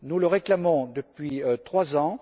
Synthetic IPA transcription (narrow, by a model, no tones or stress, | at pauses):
nuləʁeklamɔ̃d̪əpɥiøt̪χwazɑ̃